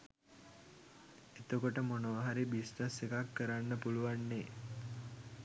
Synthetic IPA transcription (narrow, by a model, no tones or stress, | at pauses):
et̪okoʈəmonoʋaɦaɾibisnəsekakːəɾanːəpuluʋanːe